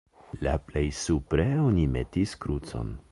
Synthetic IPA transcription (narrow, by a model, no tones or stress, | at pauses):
la̰plejsupɾeonimetiskɾut͡so̰n